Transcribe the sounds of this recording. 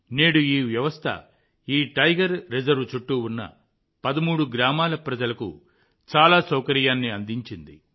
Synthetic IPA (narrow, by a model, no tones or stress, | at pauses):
neːɽuiːʋjɐʋɐst̪ʰɐ̰ | iːʈɐjɡɐɾːed͡ʒɐɾʋt͡ʃuʈːuunːɐ̰ | pɐd̪ɐmuːɽuɡɾaːmaːlɐpɾɐd͡ʒɐlɐkṵ | t͡ʃaːlaːsɐwkɐɾijaːnːiɐnd̪iɲt͡ʃind̪ḭ